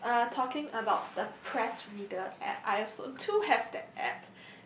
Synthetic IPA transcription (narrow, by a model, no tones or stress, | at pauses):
atʰɔkɪ̃ŋəbaʊt̚d̥əpʰɹɛsɹidəɛ̰tʔa̰ɪɛfsõ̰tʰuhɛvdɛt̚ɛ̰p̚